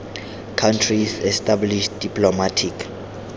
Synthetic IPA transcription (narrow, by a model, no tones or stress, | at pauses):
kʰantʰrisɛstʰʼabliʃdipʰʼlɔmatʰik